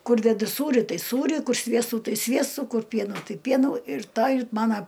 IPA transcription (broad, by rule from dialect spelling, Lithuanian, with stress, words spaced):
ˈkʊr dʲɛˈdʊ ˈsuːrʲɪ ˈtɐɪ ˈsuːrʲɪ ˈkʊr ˈsʲʋʲiɛstuː ˈtɐɪ ˈsʲʋʲiɛstuː ˈkʊr ˈpʲiɛnuː ˈtɐɪ ˈpʲiɛnuː ɪr ˈtɑː ɪr ˈmɑːnɐ